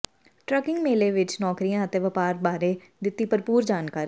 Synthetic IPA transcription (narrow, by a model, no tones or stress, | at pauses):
ʈɾəkɪŋɡmeːleːʋɪt͡ʃnɔːkɾijãːət̪eːʋəpaːɾbaːɾẽː | d̪ɪt̪ːiːpəɾpuːɾd͡ʒaːnkaːɾi